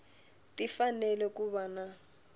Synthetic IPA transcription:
tifanɛlɛkuβana

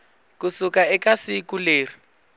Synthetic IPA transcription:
kusukʼaɛkasikʼuleːri

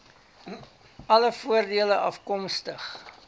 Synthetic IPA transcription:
ɐləfuərdiələʔɐfkɔmstəχ

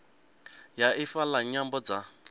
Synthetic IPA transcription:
jaʔifalaɲambɔd͡za

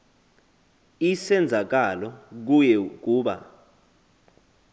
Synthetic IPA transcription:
isɛnd͡zʱak̬alɔk̬ujɛk̬uːɓa̰

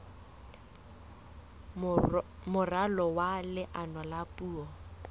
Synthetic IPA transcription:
mʊralɔwalɪʔanwalapʼuːɔ

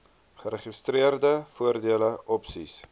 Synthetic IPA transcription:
χəɾəχistriərdəfuərdiələʔɔpsis

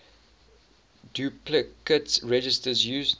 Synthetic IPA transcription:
duplɪkətsɹɛd͡ʒɪstəzjuːz

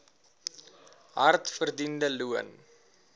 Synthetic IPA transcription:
ɦɐrtfərdindəluən

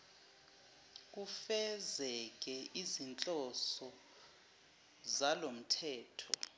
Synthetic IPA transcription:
k̬ufɛzɛk̬ɛʔizint͡ɬʼɔsɔ | zalom̩tʰɛːtʰɔ̰

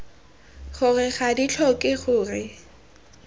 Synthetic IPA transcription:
χʊrɪχadit͡ɬʰɔkʼɪχʊːrɪ

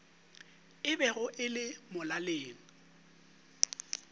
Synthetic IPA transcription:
ɪbɛɣʊʔɪlɪmʊlaleːŋ̩

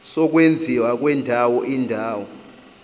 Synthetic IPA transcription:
sɔk̬wend͡zʱiwak̬wɛndʱawɔʔindʱaːwɔ

